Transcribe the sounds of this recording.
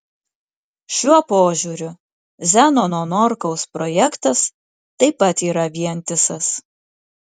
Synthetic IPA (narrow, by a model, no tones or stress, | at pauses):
ʃʲuɔpoːʒʲuɾʲʊ | zʲænonoːnɔɾkɒʊspɾɔjɛkt̪ɐs | t̪ɐɪpɐt̪iːɾɐʋʲiɛnʲt̪ʲɪsɐs